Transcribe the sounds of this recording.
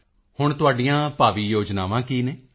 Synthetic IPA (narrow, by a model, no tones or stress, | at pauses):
hʊɳ̃t̪ʊaːɖiːjãːpaːʋiːjoːd͡ʒnaːʋãːkiːneː